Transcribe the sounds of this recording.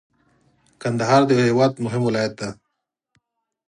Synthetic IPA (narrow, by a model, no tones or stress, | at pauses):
kand̪aɦɑːɾd̪əɦewɑːd̪mʊɦɪmwɪlajat̪̚d̪a